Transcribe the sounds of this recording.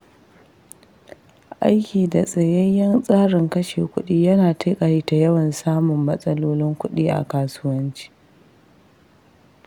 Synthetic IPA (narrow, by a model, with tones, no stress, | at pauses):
ʔa̰˦jkʲiː˨da˨sʼɐ˨jɐ˦jɐ˦nsʼaː˦ɽɪ˨ŋkɐ˦ʃḛː˨kʷʊ˦ɗiː˦jɐ˦naː˨ta˦kʼɐ˨ɽiː˦ta˨jɐ˦wɐ˨nsaː˦mʊ˨mːɐ˦sʼɐ˦loː˦lɪ˦ŋkʷʊ˦ɗiː˦ʔa̰˨kaː˨sʊ˦wɐ˦nt͡ʃi̥ː˦